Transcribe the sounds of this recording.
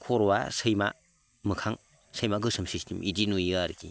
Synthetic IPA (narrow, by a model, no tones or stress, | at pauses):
kʰɔɾwa̰sɯjma̰ | mɯkʰaŋ | səjmaɡɯsɯmsistimidinujaɾki